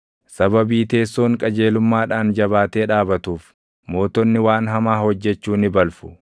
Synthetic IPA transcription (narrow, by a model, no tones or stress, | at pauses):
sɐbɐbiːt̪e̞ːsːo̞ːŋkʼɐd͡ʒe̞ːlʊmːaːᶑaːnd͡ʒɐβaːt̪e̞ːᶑaːbɐt̪uːf | mo̞ːt̪ɔnːɪwaːnɦɐmaːhɔd͡ʒːɛt͡ʃːuːnɪbɐlfʊ̥